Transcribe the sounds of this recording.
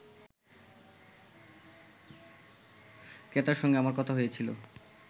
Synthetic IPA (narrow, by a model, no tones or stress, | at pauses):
ket̪aɾʃɔŋɡeamaɾkɔt̪ʰaɦojet͡ɕʰilo̰